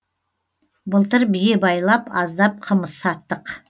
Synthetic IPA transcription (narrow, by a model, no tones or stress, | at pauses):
bəlˠt̪əɾbijebɑjlˠɑpɑzd̪ɑp̚qʰəməsːɑt̪ːəq